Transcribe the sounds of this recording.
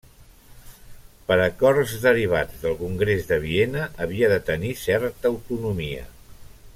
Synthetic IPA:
pəɾəkɔɾzðəɾiβ̞ad͡zðəlˠkuŋɡɾezðəβ̞ienəʔːβ̞iəðət̪ənisɛɾt̪əəwt̪unumiə̰

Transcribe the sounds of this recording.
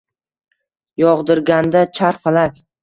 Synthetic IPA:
jɒʁd̪ɪɾɡʲand̪at͡ʃʰaɾqalakʲ

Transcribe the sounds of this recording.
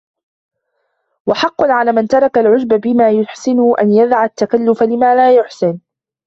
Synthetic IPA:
wɑħɑqːʊnʕalaːmant̪ɑɾˤɑkalʕʊd͡ʒbabɪmaːjʊħsɪnʊʔa̰njaðʕat̪ːakalːʊfalɪmaːlaːjʊħsɪn

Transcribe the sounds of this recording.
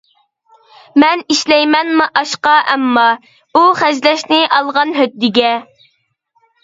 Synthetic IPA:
mɛniʃlɛjmɛnmʔɑʃqɑʔɛmːɑ | uχæʒlɛʃnɪʔɑlˠʁɑnɦød̪̚d̪ɪɡʲɛ

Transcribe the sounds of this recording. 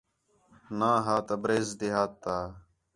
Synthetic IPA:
naːɦaːt̪əbɾeːzd̪eɦaːt̪ːaː

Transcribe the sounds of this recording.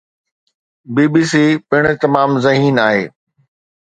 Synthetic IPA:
biːbiːs̬iːpɪɽ̃̆t̪ɐmaːmzɐɦiːnaːɦeː

